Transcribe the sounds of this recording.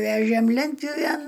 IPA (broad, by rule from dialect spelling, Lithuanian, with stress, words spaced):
ˈʋʲæːʒʲeːm ˈlʲɛnʲtʲpʲjʊʋʲeːn